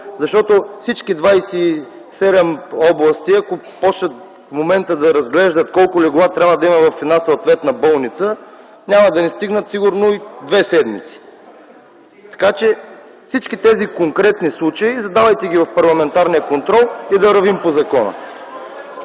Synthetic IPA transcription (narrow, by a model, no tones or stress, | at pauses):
zɐʃt̪ɔt̪ofsit͡ʃkid̪vajsi | sɛd̪ɛmɔblˠəst̪iɐkopɔslət̪ | momɛnt̪əd̪ɐɾɐzɡlɛʒd̪ət̪kɔlˠkʊlɛɡʊvˠat̪ɾʲabvɐəd̪ɐimɐvɐfɛd̪nasɐwt̪vɛt̪nɐbɔlˠnit̪sə | nʲamɐd̪ɐnɛst̪iɡnət̪siɡʊɾnoid̪vɛsɛd̪mḭt̪si̥ | t̪ɐ̥kat͡ʃɛ | fsit͡ʃkit̪ɛzikoŋkɾɛt̪nislˠut͡ʃəizɐd̪avɐjt̪ɛɡʲivɐfpɐɾlˠɐmɛnt̪aɾnijəkont̪ɾɔlˠid̪ɐɾɐvimpozɐkɔnə̰